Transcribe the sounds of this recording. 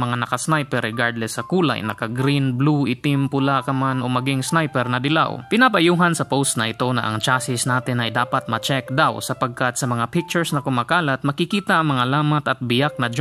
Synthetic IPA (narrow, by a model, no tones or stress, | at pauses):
mɐŋanɐkasnajpɛɾːɛɡaɹd̪lɛsɐkuːla̰jnɐ̰kaɡɾinbluʔɪt̪ɪmpʊlakɐmanʔo̞mɐɡiŋsnajpɛɾnɐd̪ɪla̰wpɪnabɐjuːɦɐnsɐpowst̪nɐʔɪt̪o̞nɐ̰ʔɐ̰ŋt͡ʃaːsɪsnaːt̪ɪnɐjd̪aːpɐt̪̚mɐt͡ʃɛk̚d̪awsɐpɐɡ̚kat̪̚sɐmɐŋapɪk̚t͡ʃʊɹsnɐkʊmaːkaːlɐt̪̚mɐkɪkiːt̪ɐʔɐŋmɐŋalaːmɐt̪ɐt̪̚bɪjak̚nɐd͡ʒ